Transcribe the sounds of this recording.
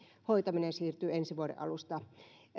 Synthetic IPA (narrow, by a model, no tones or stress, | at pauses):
hoit̪ɑminesiːrt̪yːensiʋuoɾḛʔɑ̰lust̪ɑ